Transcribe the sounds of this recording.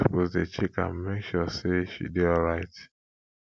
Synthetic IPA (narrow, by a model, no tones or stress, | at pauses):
u̥pozdet͡ʃikã̰mmekʃɔseʃḭdeɔlɹaɪt